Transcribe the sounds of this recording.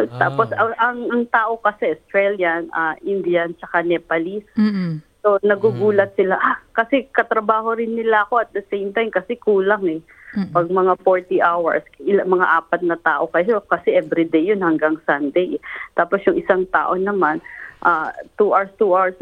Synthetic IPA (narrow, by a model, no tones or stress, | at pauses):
t̪aːposɐsʔɐŋɐŋt̪aːʔo̞kɐsɛʔost̪ɾɛljɐnʔaʔɪnd̪ijɐnt͡ʃɐkanɛpɐlisː | o̞nɐɡuɡuːlɐt̪̚sɪlaʔakɐsɛkɐt̪ɾɐbaːɦo̞ɾɪnːɪlaʔɐko̞ɐt̪̚d̪ɐsejmt̪ajmkɐsɛkuːlaŋɛ | pɐɡ̚mɐŋafoɹt̪iʔawɐ̰ɹsʔɪlamɐŋa̰ʔaːpɐt̪̚nɐt̪aːʔo̞kɐjo̞kɐsɛʔɛvɾid̪ejːonhɐŋɡaŋsɐnd̪ejʔɛt̪aːposjʊŋʔɪsaŋt̪a̰ːʔo̞nɐmanʔaːt̪uʔaɹst̪uʔaɹs